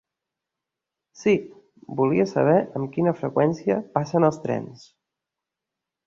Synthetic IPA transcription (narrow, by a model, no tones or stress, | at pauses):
si | buliəsə̰β̞ɛʔəmkinəfɾəkwɛnsiəpasənəlˠst̪ɾɛ̰ns